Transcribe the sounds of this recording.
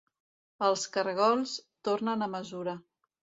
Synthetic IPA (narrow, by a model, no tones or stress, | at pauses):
əlˠskəɾɣɔlˠst̪ornənəməzuɾə